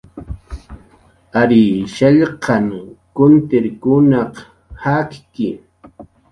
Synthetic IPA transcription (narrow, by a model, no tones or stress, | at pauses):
aɾɪʃaʎqʰɑŋkʊnt̪ɪɾkʊnɑq | hakkɪ